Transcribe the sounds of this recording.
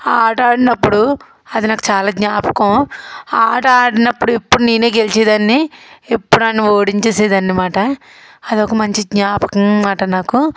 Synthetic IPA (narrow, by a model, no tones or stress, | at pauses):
aːʈaːɽinɐpːuɽu | ɐd̪inaːku̥t͡ʃaːlaːɡɲaːpɐ̥kɐaːʈaːɽinɐpːuɽuepːuɽuniːneːɡelit͡ʃeːd̪ɐnːiepːuɽanːioːɽiɲt͡ʃeːseːd̪ɐnːimaːʈɐ | ɐd̪okɐmɐɲt͡ʃidɲaːpɐ̥kɐmmaːʈɐnaːku